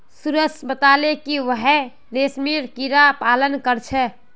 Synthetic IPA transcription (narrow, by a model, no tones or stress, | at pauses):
suɾəsbət̪alekiʋəɦɛ | lesmiɾkiɾapalənkəɾt͡ʃʰɛ